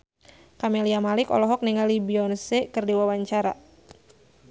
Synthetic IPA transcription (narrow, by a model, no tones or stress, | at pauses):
kameliamalɪkɔ̰lɔɦɔk̚niŋalibiɔnsekɨrdiwawaɲt͡ʃaɾa̰